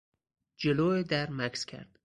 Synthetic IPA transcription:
d͡ʒeloːed̪æɾmækskʲʰæ̰ɾd̪̥

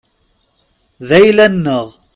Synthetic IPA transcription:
ðæjlænːəʁ

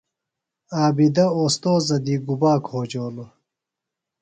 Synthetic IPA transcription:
aːbid̪ɐoːst̪oːzɐd̪iːɡubaːkhoːd͡ʑoːlo

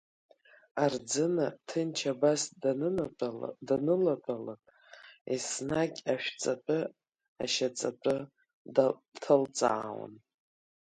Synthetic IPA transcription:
ard͡zɨnatʰɨnt͡ʃʰabas | danɨlapʼalapʼ | esnakʲʼaʃᶣt͡sʼapʼɨ | a̰ʃat͡sʼa̰pʼɨ | tʰɨlt͡sʼa̰ːwa̰n

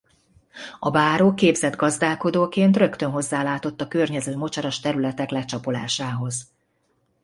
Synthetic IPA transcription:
ɒbaːɾoːkeːbzɛd̪ɡɒzd̪aːlko̞d̪oːkeːnt̪rø̞kt̪ønɦo̞zːaːlaːt̪o̞t̪ːɒkø̞rɲɛzøːmo̞t͡ʃɒɾɒʃt̪ɛɾylɛt̪ɛklɛt͡ʃɒpo̞la̰ːʃaːɦo̞z

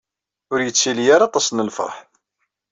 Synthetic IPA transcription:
ʊɾjət͡sːiljaɾɑt̪ˤɑsˤnəlfə̰ɾˤħ

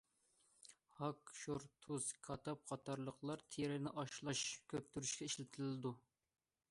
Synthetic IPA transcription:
hɑkʃuɾt̪ʰuzkʰɑt̪ʰɑp̚qʰɑt̪ʰɑɾlˠəqlˠɑɾt̪ʰeɾɪnɪʔɑʃlˠɑʃkʲʰøp̚t̪ʰyɾyʃkʲɛiʃlɪt̪ʰɪlɪd̪u

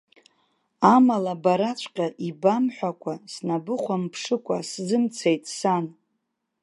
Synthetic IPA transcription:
amalabaɾat͡ɕʷʰʼqʲʼaʔibamħʷᶣakʷʰasnabɨχʷampʰʂɨkʷʼaszɨmt͡sʰejtʼsan

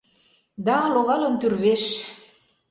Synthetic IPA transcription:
d̪ɑloɣɑlə̆nt̪yrβeʃ

